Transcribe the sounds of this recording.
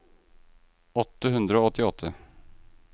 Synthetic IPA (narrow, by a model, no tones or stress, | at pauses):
ɔt̪ːəɦɵnd̪ɾaoɔt̪ʰːɪɔt̪ʰːə